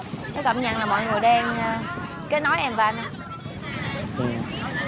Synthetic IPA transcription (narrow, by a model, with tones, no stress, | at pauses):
kɛ˨˦kə̰˧˨mɲa̰ː˧˩ŋlaː˨˩mɔ̰˧˨jŋɨ˨˩əjɗɛ˧nː˨˩ | ke˨˦nɔ˨˦jʔɛ˧mvaː˧na˧˦ | ʔɨ˨˩